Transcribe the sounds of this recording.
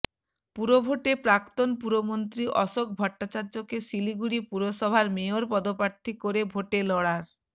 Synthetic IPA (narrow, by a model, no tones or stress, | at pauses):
puɾobʱoʈepɾakt̪onpuɾomont̪ɾiʔɔʃok̚bʱɔʈːat͡ɕaɾd͡ʑokeʃiliɡuɽipuɾoʃɔbʱaɾmeoɾpɔd̪opaɾt̪ʰikoɾebʱoʈelɔɽaɾ